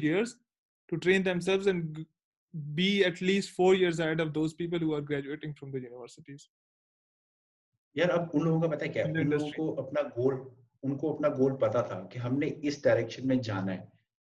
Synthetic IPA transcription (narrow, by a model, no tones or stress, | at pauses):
jiəɾz | ʈuʈɾẽːnd̪ɛ̃msɛlʋzɛ̃ɳɖ | biːɛʈliːsʈfoːɾjiəɾz̬aɪɖɔʋd̪oːzpiːp̬əlɦuːaːɾɡɾæːd͡ʒueːʈɪ̃ŋfɾɔ̃md̪əjuːnɪʋəɾsɪʈiz̥ | jaːɾɐbʊnloːɡõkapɐt̪aɦekjaːʊnloːɡõkoʔɐpnaɡoːl | ʊnkoɐpnaɡoːlpɐt̪at̪ʰa̰keɦɐmneɪsɖaːɪɾɛkʃənmẽd͡ʒaːnaɦɛː